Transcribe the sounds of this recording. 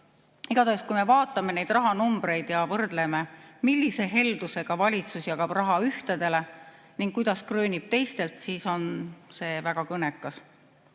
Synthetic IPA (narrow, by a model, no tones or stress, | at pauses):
iɡ̥ɑd̪ɑskujme̞vɑːt̪ːˑɑme̞ne̞jd̪̥rɑɦɑnumbɾe̞jd̪̥jɑvɤrd̪̥le̞me̞milʲːise̞ɦe̞ld̪̥use̞ɡ̥ɑvɑlʲit̪susjɑɡ̥ɑbrɑɦɑyht̪ed̪̥e̞le̞ | niŋɡ̥kujd̪̥ɑskrøːnʲib̥̚t̪e̞jst̪e̞lt̪siːso̞nse̞ːvæɡ̥ɑkɤne̞kːˑɑs